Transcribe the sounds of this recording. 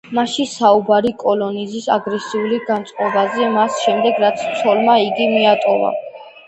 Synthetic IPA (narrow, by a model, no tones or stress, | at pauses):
maʃisaubaɾikʼɔlɔnizisaɡɾɛsiuliɡant̪sʼqʼɔbazɛmasʃɛmd̪ɛɡɾat̪sʰt̪sʰɔlmaiɡimiat̪ʼɔva̰